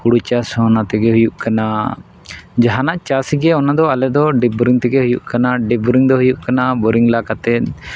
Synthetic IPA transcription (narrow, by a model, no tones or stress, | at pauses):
huɽut͡ʃasɔ̃nat̪ɛɡɛɦujuʔkana | d͡ʒaɦanaʔt͡ʃasiɡɛɔnad̪ɔalɛd̪ɔɖɛbuɾiŋt̪ɛɡɛɦujuʔkanaɖɛbuɾiŋd̪ɔɦujuʔkanabɔɾiŋlakat̪ɛt̪̚